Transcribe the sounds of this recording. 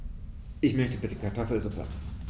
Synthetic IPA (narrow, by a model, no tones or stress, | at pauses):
ʔɪçmœçtəbɪtəkʰaɐtʰɔfl̩zupʰɐ̰